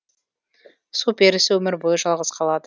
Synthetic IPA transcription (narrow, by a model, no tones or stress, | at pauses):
supe̞ɾɪsɪwɵmɪɾbojəʒɑlˠʁəzqʰɑlˠɑd̪ə